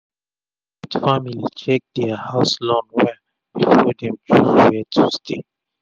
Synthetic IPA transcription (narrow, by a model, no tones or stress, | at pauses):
itfamilit͡ʃɛk̚dɛahaʊslɔ̃nwɛ | bifɔdɛ̃mtʰɹɔwɛtʰustʰe